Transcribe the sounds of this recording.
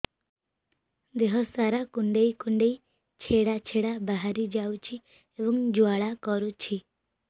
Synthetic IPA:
d̪eɦɔsaɾakuɳɖejkuɳɖej | t͡ʃʰeɽat͡ʃʰeɽabaɦaɾid͡ʒawt͡ʃʰi | ebɔŋd͡ʒuaɭakɔɾut͡ʃʰi

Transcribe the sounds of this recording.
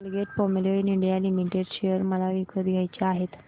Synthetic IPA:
lɡeʈ̚pomeloiniɳɖijalimiʈeɖɕeəɾməlaʋikʰət̪ɡʱajt͡ɕeaɦet̪

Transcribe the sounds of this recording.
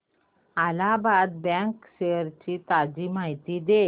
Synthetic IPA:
alabad̪̚bɛ̃ŋkɕeəɾt͡ɕit̪ad͡ʑimaɦit̪id̪e

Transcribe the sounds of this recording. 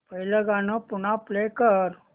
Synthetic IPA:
pəɦiləɡanopʊnaplekəɾ

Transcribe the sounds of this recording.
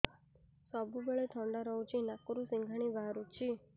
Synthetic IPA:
sɔbʱubəɭet̪ʰɔɳɖaɾəũt͡ʃʰinakuɾusĩŋɡʱaɽ̃ibʱaɾut͡ʃʰi

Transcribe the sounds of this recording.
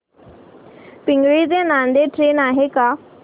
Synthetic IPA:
pɪ̃ŋɡɭid̪enãnd̪eʈɾeːnaːɦeka

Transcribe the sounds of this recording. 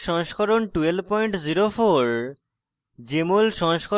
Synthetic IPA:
ʃɔŋʃkʰɔɾonʈuelpɔjɳʈziɾofoɾ | d͡ʑemolʃɔŋʃkʰo

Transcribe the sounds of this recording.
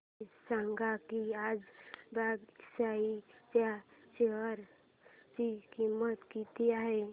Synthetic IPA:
sãŋɡakiad͡ʒbaɡsait͡ʃat͡ʃeɦəɾ | t͡ʃikimət̪kit̪iaɦe

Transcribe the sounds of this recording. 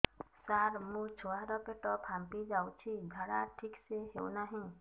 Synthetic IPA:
saɾmũt͡ʃʰoaɾɔpeʈɔpʰampid͡ʒawt͡ʃʰid̪ʱaɽaʈʰikseɦḛwnaɦĩ

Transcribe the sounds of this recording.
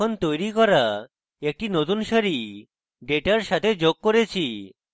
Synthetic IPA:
ont̪ojɾikɔɾa | ek̚ʈinot̪unʃaɾi | ɖeʈaɾʃat̪ʰed͡ʑoɡ̚koɾet͡ɕʰi

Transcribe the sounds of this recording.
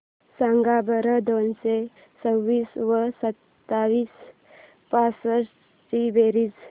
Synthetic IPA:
sãŋɡabəɾəd̪onse | t͡səwːiːsʋəsət̪ː | aʋiːs | pasəɾ | ʈibeɾid͡z

